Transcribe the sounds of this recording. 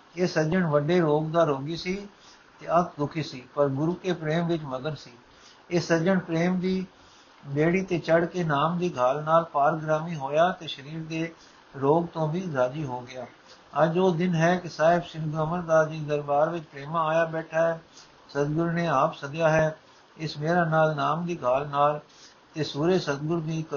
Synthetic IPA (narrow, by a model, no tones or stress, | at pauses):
eːsəɾd͡ʒəɳʋəɖeːɾoːɡd̪aːɾoːɡiːsiː | t̪eːət̪ʰd̪ʊkʰiːsiːpəɾɡʊɾuːkeːpɾeːmʋɪt͡ʃməɡəɾsiː | eːsəd͡ʒəɳpɾeːmd̪iː | beːɽiːt̪eːt͡ʃəɽkeːnaːmd̪iːɡʱaːlnaːlpaːɾɡɾaːmiːɦoːjaːt̪eːʃəɾiːɾd̪eː | ɾoːɡt̪õːbiːɾaːd͡ʒiːɦoːɡɪjaː | əd͡ʒoːd̪ɪnɦɛːkɪsaːɪbsɪɾɡəməɾd̪aːd͡ʒɪd̪əɾbaːɾʋɪt͡ʃpɾeːmãːaːjaːbɛːʈʰaːɦɛː | səd̪ɡʊɾneːaːpsəd̪jaːɦɛː | ɪsmeːɾãːnaːlnaːmd̪iːɡʱaːlnaːl | t̪eːsuːɾeːsəd̪̚ɡʊɾd̪iːk